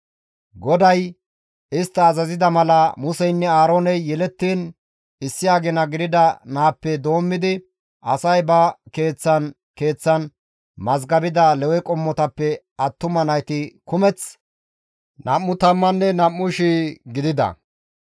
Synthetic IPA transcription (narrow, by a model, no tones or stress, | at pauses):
ɡɔd̪ɐj | ɪst̪ːɐːzɐzɪd̪ɐmɐlɐmʊsɛjnːɛaːɾoːnɛjːɛlɛt̪ːiːn | ɪsːɪjaːɡɛnɐɡɪd̪ɪd̪ɐnaːpːɛd̪o̞ːmːɪd̪ɪ | ɐsɐjbɐke̞ːt͡sːɐn | ke̞ːt͡sːɐn | mɐzɡɐbɪd̪ɐlɛwɛkʼɔmːɔt̪ɐpːɛ | ɐt̪ːʊmɐnɐjt̪ɪkʊmɛt͡s | nɐmːʊt̪ɐmːɐnːɛnɐmːʊʃiɡɪd̪ɪd̪ɐ̰